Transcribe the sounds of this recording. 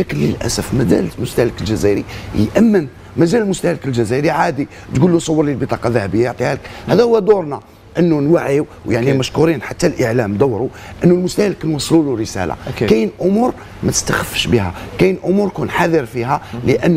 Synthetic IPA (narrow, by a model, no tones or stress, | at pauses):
ækənlə̰lʔæ̰səfmæd̪æ̰lmʊst̪æləkəlʒæzæɾḭjʔæmːən | mæzælmʊst̪æhləkəlʒæzæɾiʕad̪i | t̪ɡulːusˤɑwːəɾˤlilbit̪ˤɑqɑlðæhæbəjːajɑʕt̪ˤihæləkhæd̪æhʊwːæd̪uɾˤnæ | ʔənːunwaʕiw | wjaʕniməʃkuɾinħat̪ːælʔəʕlæmd̪æwːɾuʔənːulmʊst̪æhləknwɑsˤːluluɾəsæ̰la̰kæjənʔʊmuɾ | mæt̪ə̥st̪axəfːəʃbihæ̰kæjənʔʊmuɾkunħaðəɾfiɦæləʔənː